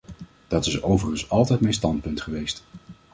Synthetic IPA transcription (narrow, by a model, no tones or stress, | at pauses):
d̥ɑtɪsowvərənsɑlˠtɛjtmɛjnstɑntpɵntχəʋejst